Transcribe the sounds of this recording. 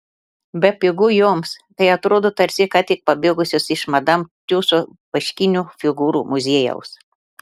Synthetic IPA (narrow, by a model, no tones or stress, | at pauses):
bʲɛpʲɪɡʊjoːmst̪ɐɪɐt̪ɾoːd̪oːt̪ɐɾʲsʲɪkɐt̪ʲɪk̚pɐbʲeːɡʊsʲosɪʃmɐd̪ɐmt̪ʲuːsobɐʃʲkʲɪnʲufʲɪɡuːɾuːmʊzʲeːjɛ̰ʊs